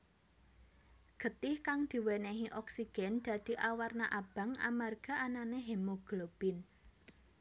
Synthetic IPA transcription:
ɡ̥ə̤t̪ɪhkaŋd̪̥i̤wɛneɦiʔɔksiɡ̥ɛ̤nd̪̥ä̤d̪̥i̤ʔawarnaʔab̥ä̤ŋa̰marɡ̥a̤ʔananeɦemoɡ̥lob̥ɪn

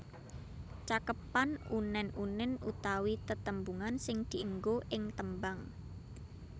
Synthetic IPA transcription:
t͡ʃakəpanunɛnunɪnut̪awit̪ət̪əmbuŋansɪŋd̪̥i̤ʔəŋɡoʔɪŋt̪əmbaŋ

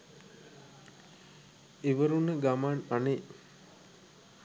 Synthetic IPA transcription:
iʋəɾunəɡamaːnane

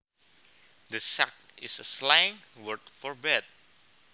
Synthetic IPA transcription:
d̪əsak̚ɪ̰səslajɪ̃ŋwəɹt̪̚fɔɹbɛt̚

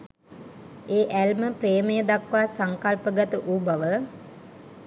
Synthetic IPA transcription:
eːʔælməpreːməjəd̪akʋaːsaŋkalpəɡət̪əʔubaʋə

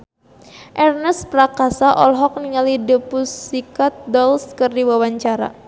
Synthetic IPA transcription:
ʔɛrnəspɾakasaʔɔ̰lɦɔk̚niŋalidəpusikat̪̚dɔlskərdiwawaɲt͡ʃaɾa̰

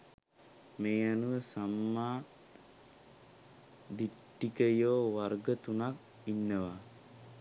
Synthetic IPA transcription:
meːanuʋəsamːaː | d̪iʈːikəjoːʋarɡət̪unak̚ | inːəʋa

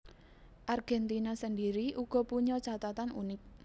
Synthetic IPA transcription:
ʔarɡ̥ɛnt̪inasəndiɾiʔuɡ̥ɔ̤puɲɔt͡ʃat̪at̪anṵnɪk̚

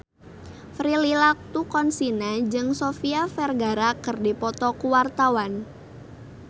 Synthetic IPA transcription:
fɾililak̚t̪ukɔnsinad͡ʒɨŋsɔfiafɛrɡaɾakərdipɔt̪ɔkuwart̪awan

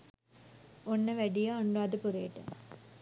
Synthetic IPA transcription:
onːəʋæɖijaːɳɖuad̪əpuɾeːʈːə̰

